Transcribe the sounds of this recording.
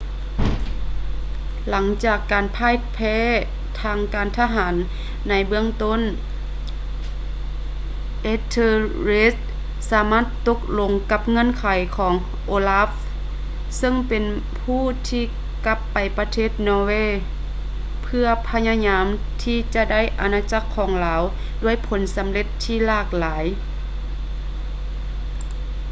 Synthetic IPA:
la˩˦ŋt͡ɕaː˨˩kːaː˨˩npʰaː˧˥˨jpʰɛː˧˥˨ | t̪ʰaː˧ŋkaː˨nt̪ʰa˧ɦaː˩˦nː | a˧˥jbɯ˧˩əŋt̪o˧˥˨n | ʔe˧t̪ʰe˧le˦˥ | saː˩˦maː˥˩t̪ːo˧˦k̚lo˧ŋka˧˥p̚ŋɤ˧˥˨nkʰa˨˦jkʰɔː˩˦ŋ | ʔoː˧la˧˥f | sɤ˧˨ŋpe˨n | pʰuː˧˥˩t̪ʰiː˧˩ | ka˧˦˥pːa˨˩jpa˧t̪ʰeː˥˩t̪̚nɔː˧weː˧˨ | pʰɯ˧ɐpʰa˧ɲa˧ɲaː˧˦˥m | t̪ʰiː˧˩t͡ɕa˧da˥˨jʔa˧naː˧t͡ɕa˧˥kʰːɔː˩˦ŋlaː˨˦w | du˧˥˩əjpʰo˩˦nsa˨˦mle˧˦t̪ʰːiː˧˩laː˧˩k̚laː˩˦j

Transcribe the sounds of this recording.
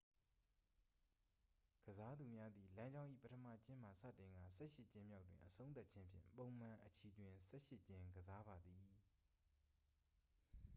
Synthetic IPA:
ɡ̥əza˦d̪u˨mja˦d̪ði˨lã˦ɲd͡ʑã˦ʊ̃ʔḭ˦˨pətʰəmä̰˦˨t͡ɕɪ̃˦m̥a˨sä̰˦˨tɪ̃˨ŋɡa̰˦˨sɛ̰˦˨ʃɪ˦˨t͡ɕɪ̃˦mja˦ʊtːwɪ̰̃˨ʔəsʰõ˦ʊ̃nt̪̬a˦ʔt͡ɕʰɪ̃˦mpʰjɪ̰̃˦˨mpõ˨ʊ̃m̥ã˨ʔət͡ɕʰi˨twɪ̃˨sɛ̰˦˨ʃɪ˦ʔt͡ɕɪ̃˦ɡəza˦ba˨d̪ði˨

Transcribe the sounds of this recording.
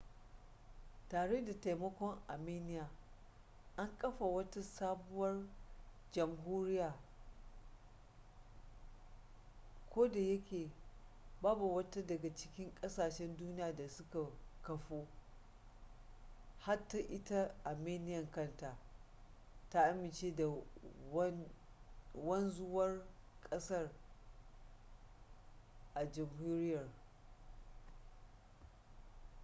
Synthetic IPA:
taː˨ɽe˦da˨ta˨jmɐ˦kʷɔ˦ŋʔa˨meː˦nɪ˦jaː˨ | ʔa˦ŋkʼɐ˦ɸa˨wɐ˦ta˦saː˦bʊ˦wɐ˦rd͡ʒɐ˨mɦuː˦ɾɪ˦jaː˨ | kʷoː˦da˨jɐ˦kʲeː˨ | baː˦bu˨wɐ˦ta˦dɐ˨ɡa˨t͡ʃɪ˦kʲɪ˦ŋkʼɐ˦saː˨ʃɛ˦nduː˦nɪ˦jaː˨da˨sʊ˦ka˨kɐ˨ɸoː˦ | ha˦tːa˦ʔɪ˦ta˦ʔa˨meː˦nɪ˦jɐ˨ŋkɐ˦nta˨ | ta˦ʔa˦mɪ˨nt͡ʃeː˦da˨˦ | wɐ˦nzʊ˦wɐ˦rkʼɐ˦sɐ˦˨r | ʔa˨d͡ʒɐ˨mhuː˦ɾɪ˦jɐ˨r

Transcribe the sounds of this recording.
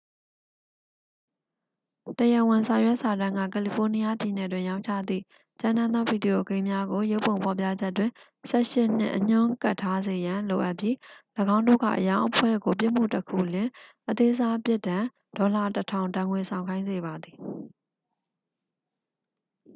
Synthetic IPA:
təjə˨wɪ̃˨sʰã˨ʊ̃jwɛ˦ʔsa˨ɾã˨ŋɡä̰˦˨kɛ˨li˨pʰo˦ni˦ja˦pji˨nɛ˨dwɪ̃˦˨jã˦ʊ̃ɲt͡ɕʰa̰˦˨d̪ḭ˦˨ | t͡ɕã˦˨nã˦nd̪ɔ˦bi˨di˨jo˨ɡẽ˦ɪ̃mja˦ɡo˨jo˦ʊpːõ˨ʊ̃mpʰɔ˨p̬ja̰˦˨d͡ʑɛ˦tːwɪ̃˨ | sɛ̰˦˨ʃɪ˦n̥ɪ̰̃˦ʔəɲ̥ʊ̃˦˨ka˦˨tʰːa˦ze˨jã˨lo˨ʔa˦ʔpji˦ləɡã˦ʊ̃ndo̰˦˨ɡa̰˦˨ʔəjã˦ʊ̃ʔəpʰwɛ̰˦˨ɡo˨p̬jɪ˦ʔm̥ṵ˦˨təkʰṵ˦˨ljɪ̃˨ʔət̪e˦za˦pjɪ˦˨tːã˨ | d̥ɔ˨la˨tətʰã˨ʊ̃ntã˨ŋwe˨sʰã˨ʊ̃ŋkʰã˦ɪ̃nze˨ba˨d̪ði˨

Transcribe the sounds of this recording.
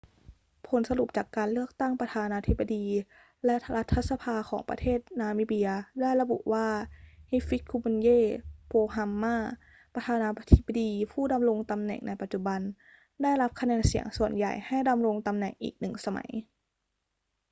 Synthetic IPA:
pʰo˨˦nsa˧lu˨˩p̚t͡ɕaː˨˩kːaː˨nlɯ˥˩ək̚t̪a˥˩ŋpɾa˧t̪ʰaː˧naː˧t̪ʰi˦˥bːa˧diː˧ | lɛ˦˥la˦˥t̪ʰːa˧˥sa˧pʰaː˧kʰɔː˩˦ŋpa˧t̪ʰeː˥˩t̪̚naː˧miː˦˧˩bi˧ɐdaː˥˩jla˧bṵ˨˩ʔwaː˥˩he˦˥fi˦˥kʰːu˧me˧njeː˥˩˨pʰoː˧ɦa˧mːaː˥˩ | pa˧t̪ʰaː˧naː˧t̪ʰi˦˥ba˧diː˧pʰuː˥˩da˧mɾo˧ŋt̪a˧mnɛ̰˨˩ŋnʔa˧jpa˨t̪̚t͡ɕu˧˩ba˧n | da˥˩jla˦˥p̚kʰa˧nɛː˧nsi˨˩˦əŋsu˨˩ənja̰˨˩jha˥˩jda˧mɾo˧ŋt̪a˧mnɛ̰˨˩ŋʔḭː˨˩k̚nɯ˨˩ŋsa˧ma̰˩˦j

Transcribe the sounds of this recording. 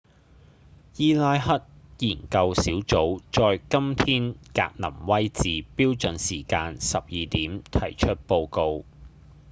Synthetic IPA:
jiː˥˧laː˧jɦɐ˥t̚jiː˨˩nkɐ˧wsiː˨˥wt͡so˨˥wt͡sɔː˧jkɐ˥mt̪ʰiː˥nka̰ː˧k̚nɐ˨˩mwɐ˥jt͡siː˨piː˥wt͡sɵ˨nsiː˨˩kaː˧nsɐ˨p̚jiː˨t̪iː˨˥mt̪ʰɐ̰˨˩jt͡ʃʰɵ˥t̚po˧wko˧w

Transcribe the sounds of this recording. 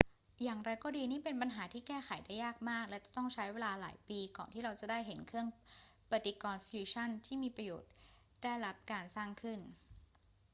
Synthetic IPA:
jaː˨˩ŋɾa˧jkɔː˥˩diː˧niː˥˩pe˧npa˧nɦaː˩˦t̪ʰiː˥˩kɛː˥˩xʰa˨˩˦jdaː˥˩jːaː˥˩k̚maː˥˩k̚lɛ˦˥wt͡ɕa˨˩t̪ɔ˥˩ŋt͡ɕʰa˦˥jweː˧laː˧la̰ː˩˦jpiː˧kɔː˨˩nt̪ʰiː˥˩ɾa˧wt͡ɕa˨˩ʔdaː˥˩jɦe˨˩˦nkʰɯ˥˩əŋpa˨˧t̪i˧˩kɔː˧nfjuː˧t͡ɕʰa˥˩nt̪ʰiː˥˩miː˧pɾa˧joː˨˩t̪̚ | daː˥˩jɾa˦˥p̚kaː˧nsaː˥˩ŋkʰɯ˥˩n

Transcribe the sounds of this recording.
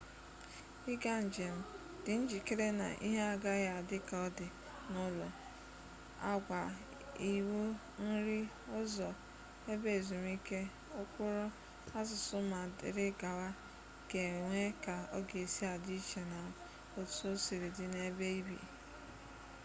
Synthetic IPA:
ɪ˦ɡa˦n̩˨d͡ʒe˨m̩˦ | d̥ɪ˨n̩˦d͡ʒi˨ke˦ɾe˦na̰˨ʔḭ˦ɦe˦a˨ɡa˦ɣa˨a˨dɪ˦ka˨ɔ˦dɪ˨ | nʊ˦lɔ˨ | a̰˦ɡʷa˨ | i˨wo˦ | n̩˦ɾɪ˦ | ʊ˦zɔ˨ | e˦be˦˨zu˨m˦i˦ke˦ | ʊ˦kʷʊ˦ɾʊ˦ | a˦zʊ˨sʊ˦ma˨dɪ̰˨ɾɪ˦ɡa˨wa˦ | ɡ̥e˨ŋʷe˦ka˨ɔ˦ɡe˨si˦a˨dɪ˦i˦t͡ʃe˨na˨ | o̥˨˦so˦si˨ɾi˨dɪ˨ne˦be˦i˦bḭ˨

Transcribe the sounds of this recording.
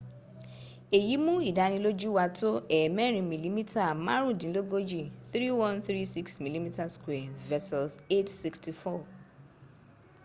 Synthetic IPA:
e˨ji˨˦mũ˦i˦˨da˧˦nĩ˧lo˦d͡ʒu˦wa˧to˦ɛ˨mɛ̃˦ɾ̃ĩ˧mĩ˨li˨˦mĩ˦ta˦˨mã̰˦ɾ̃ũ˦˨dĩ˨˦lo˦ɡo˦d͡ʒi˦˨θɾi˦wɔ̃˦nθɾi˦si˦ksmĩ˨li˦mi˦ta˦skwɛ˨vɛ˧sɔ˨lse˦tsi˧ksti˧fɔ˦˨

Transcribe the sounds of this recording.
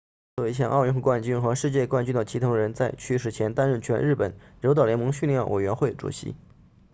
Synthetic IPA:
t͡swɔ˥˩we˧˥ɕjɑ˥˧ŋʔɑ˥˧ʊy˥˧nxwkwa˥˩nt͡ɕy˥nxɤ˧˥ʂɻ̩˥˧t͡ɕjɛ˥˧kwa˥˧nt͡ɕy˥˩nd̪ə˩t͡ɕʰi˧˥ʊ˧˥ɻə˧˥nt͡sa˥˧ɪt͡ɕʰy˥˩ʂ̬ɻ̩˨˩t͡ɕʰjɛ˧˥nt̪a˥nɻə˥˩nt͡ɕʰɥɛ˧˥nɻ̩˥˩pə˨˩˦nɻo˧˥ʊt̪ɑ˨˩ʊljɛ˧˥nmɤ˧˥ŋɕy˥˧nljɛ˥˩nwʔe˨˩ɪɥɛ˧˥nxwe˥˩ɪʈ͡ʂṵ˨˩ɕḭ˧˥

